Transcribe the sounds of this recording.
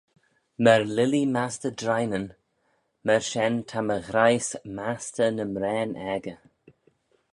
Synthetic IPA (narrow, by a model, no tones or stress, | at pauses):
mɛɹlɪlimastədɾajnən | mɛɹʃɛntʰaməɣɾajsmastənəmɾɛːnʔɛɡə